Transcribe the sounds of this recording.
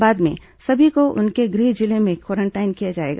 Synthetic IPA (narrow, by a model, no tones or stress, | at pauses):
baːd̪mḛ̃ | sɐbʱikoʔʊ̰nkeɡɾiːd͡ʒɪlemẽkwɔːɾə̃ɳʈaːɪnkijad͡ʒaːḛːɡaː